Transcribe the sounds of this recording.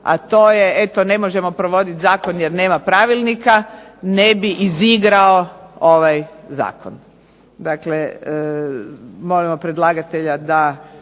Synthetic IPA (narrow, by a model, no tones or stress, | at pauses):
a̰t̪o̞ːjeet̪o̞ne̞mo̞ʒe̞mo̞pɾoʋo̞d̪it̪zaːko̞njeɾne̞ːmapɾaʋilˠnikanebiʔiziɡɾao̞oʋajza̰ːkon | d̪akle | mo̞limo̞pɾed̪lˠaɡat̪eʎad̪a